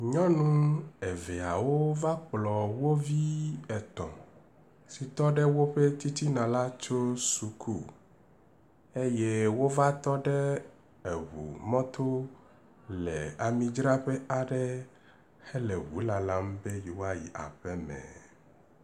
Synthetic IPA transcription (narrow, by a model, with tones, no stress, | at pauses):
ɲɔ̃˦nũ˦e˨ve˨a˨wo˦va˦k͡plɔ˨wo˦vi˦ɛ˨t̪ɔ̃˨ | si˨t̪ɔ˦ɖɛ˦wo˦ɸe˦t̪i˦t̪i˦nã˨la˦t͡ʃo˦su˨kʰu˦ | e˦je˦wo˦va˦t̪ɔ˦ɖɛ˦ | e˨wṵ˨mɔ̃˦t̪ʰo˦ | lɛ˨a˨mĩ˦d͡ʒɾa˦ɸe˦a˨ɖɛ˦ | he˦le˨wṵ˨˦la˨la˦m˦be˦ji˨wa˦jḭ˨ʔa̰˨ɸɛ˦mɛ̰̃˨